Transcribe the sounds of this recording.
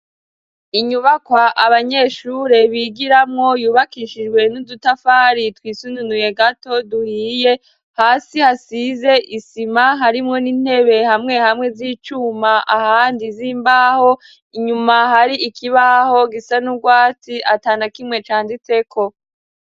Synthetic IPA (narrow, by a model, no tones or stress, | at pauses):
iɲuβakwaʔaβaɲe̞ːʃuɾe̞βiːɡiɾamŋo̞juːβakiʃid͡ʒɡwe̞nudutafaːɾitwiːsununuje̞ɡato̞duhiːje̞ | haːsihasize̞ʔisimaɦaɾimŋo̞nin̥he̞βe̞hamŋe̞hamŋe̞ziːt͡ʃuːmaʔahaːndiziːmbaːho̞ | iɲumahaɾiʔikʰiβaho̞ɡisanuɡwaːt͡siʔataːnakimŋe̞t͡ʃaːndit͡se̞kʰo̞